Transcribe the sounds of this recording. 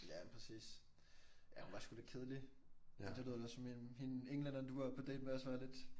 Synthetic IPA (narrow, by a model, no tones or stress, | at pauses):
jæpʰʁɛsḭːs | jæhunʋɑ̈sɡ̥ulekʰe̝ð̞ˠəlinsɑl̝ðˠɒsɒmihineŋlænɐnd̥uʋɑ̈pʰɒ̽d̥ɛ̰ːd̥meɒsʋæːɐle̝d̥